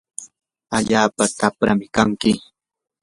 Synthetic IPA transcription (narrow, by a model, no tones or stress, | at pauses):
aʎaːpat̪apɾa̰mɪkaŋkɪ